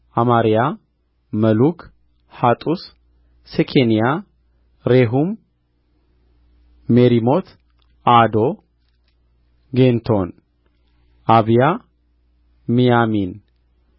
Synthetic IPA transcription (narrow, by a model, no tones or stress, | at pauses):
ʔamaɾija | məlukʰ | hat̪ʼus | sɛkʰenija | ɾeɦum | eɾimo̞t̪ʰ | ad̪o̞ | ɡent̪ʰo̞n | ʔaβija | mijamin